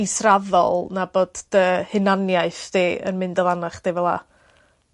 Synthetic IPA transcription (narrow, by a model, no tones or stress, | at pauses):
isravɔ̰lˠnaboːd̥d̥əhɪnanjaɨθd̥eːʔə̰nmɪndɔvˠanaχd̥eːvɛlˠa̰